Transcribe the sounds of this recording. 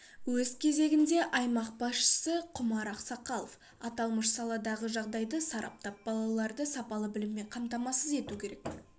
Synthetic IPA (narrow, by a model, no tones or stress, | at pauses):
wɵzkʲʰe̞ze̞ɡʲɪnd̪e̞ʔɑjmɑq̚bɑsʃə̥səqʰʊmɑɾɑqsɑqɑlˠof | ɑt̪ɑlˠməʃsɑlˠɑd̪ɑʁəʒɑʁd̪ɑjd̪əsɑɾɑ̰p̚t̪ɑp̚bɑlˠɑlˠɑɾd̪əsɑpɑlˠəbɪlɪmːe̞ɴqʰɑmt̪ɑmɑsəze̞t̪ukʲʰe̞ɾe̞k̚